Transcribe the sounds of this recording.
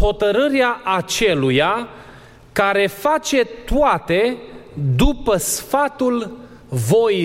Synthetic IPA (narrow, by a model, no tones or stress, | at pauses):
ho̞t̪əɾɨɾeaʔat͡ʃe̞luja | kaɾe̞fat͡ʃe̞t̪uat̪e̞d̪upəsfat̪ul | vo̞i